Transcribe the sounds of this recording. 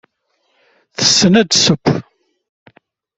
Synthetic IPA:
θə̥sːənæd̪səpː

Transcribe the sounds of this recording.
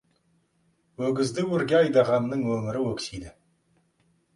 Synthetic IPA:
wɵɡʲɪzd̪ɪwɵɾɡʲeɑjd̪ɑʁɑmnəɴwɵmʲɪɾɪwɵkʲsijd̪ɪ

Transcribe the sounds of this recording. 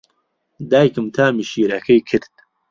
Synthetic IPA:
d̪aːjkɨmt̪ʰaːmiʃiːɾɐkʰɐjkʰɨɾt̪̚

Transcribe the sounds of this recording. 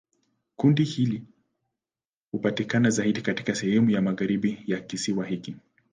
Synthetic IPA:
kundihili | hupatikanazaiɗikati̥kasɛhɛmujamaɣaɾiɓijakisiwahiki

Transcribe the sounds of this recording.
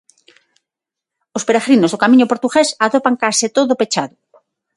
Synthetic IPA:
ospeɾaɣɾinozðokamiɲopoɾt̪uɣesaðopaŋkaset̪oðopet͡ʃaðʊ

